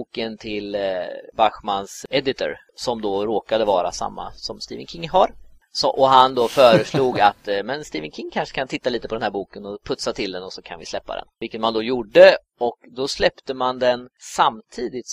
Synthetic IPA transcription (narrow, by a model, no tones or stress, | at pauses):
buːkənt̪ʰɪlbaɧmansɛd̪ɪt̪ʰʊ̰ɾ | sɔmd̪ɔɾoːkad̪əvɑːɾa̰sa̰mːa̰sɔmst̪ḭːvənkʰɪŋːɦaɾ | sɔʔɔɦand̪ɔfœːɾəʂluːɡat̪mɛnst̪iːvənkʰɪŋːkʰanʂə̥kʰant̪ʰɪt̪ːaliːt̪əpʰɔd̪ɛnhæɾbuːkənɔpʰɵt̪sat̪ʰɪld̪ɛnɔsɔkʰa̰nvɪslɛpːa̰d̪ɛ̰nvɪlkət̪mand̪ɔjuɖːə | ɔkd̪ɔslɛpt̪əmand̪ɛnsamt̪ʰiːd̪ɪt̪